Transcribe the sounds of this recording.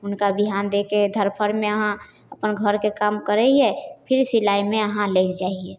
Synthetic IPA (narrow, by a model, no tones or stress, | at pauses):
ʊnkabiɦand̪eked̪ʱəɾpʰəɾmẽəɦã | əpənɡʱəɾkekamkəɾɛiɛpʰɪɾsilaimẽəɦãleːkʰd͡ʒaiɛ